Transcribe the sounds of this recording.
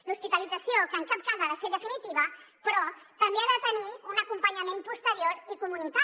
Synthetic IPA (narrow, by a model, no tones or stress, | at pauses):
luspit̪alidd͡zəsjokəŋkap̚kazaβaseɾðəfinit̪iβə | pɾɔt̪ɐmbeaðət̪əniunakumpəɲamẽmpust̪əɾjoɾikumunit̪a